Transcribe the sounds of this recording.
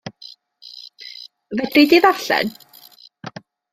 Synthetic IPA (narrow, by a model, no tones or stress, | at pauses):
vɛdrɪdiðaɬɛ̰n